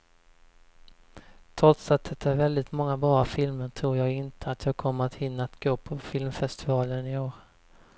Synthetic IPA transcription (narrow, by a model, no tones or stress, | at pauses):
t̪ʰɾɔt̪sat̪̚d̪ɛt̪ːaæɾvɛld̪ɪt̪mɔŋːabɾɑːafɪlməʈ̪ʰɾuːɾjɑːɡɪnt̪ʰəat̪ʰjɑːɡ̚kʰɔmːəɾat̪hɪnːaat̪ɡ̥oːpʰɔfɪlmfɛst̪ɪvɑːlənɪoːɾ